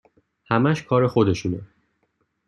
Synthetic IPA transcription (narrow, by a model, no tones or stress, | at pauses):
hæmæʃkʰɒːɾe̞xo̞d̪e̞ʃuːne